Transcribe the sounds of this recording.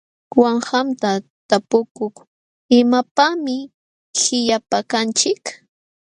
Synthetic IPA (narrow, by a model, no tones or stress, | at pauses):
waɴhamt̪a | t̪apʊkʊχ | ɪmapamɪ | hɪʎapakant͡ʃɪk